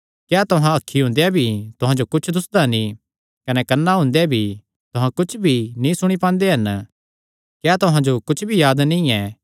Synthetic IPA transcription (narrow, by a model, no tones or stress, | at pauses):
kjaːt̪ʊɦãɐkʰːiɦʊ̃nd̪ejabʱit̪ʊɦãd͡ʒokʊt͡ʃʰd̪ʊsd̪anĩ | kɐnɛkɐnːaɦʊ̃nd̪ebʱi | t̪ʊɦãkʊt͡ʃʰbʱinĩsʊɽ̃ipãːnd̪eɦɐn | kjaːt̪ʊɦãd͡ʒokʊt͡ʃʰbʱijaːd̪nĩɛ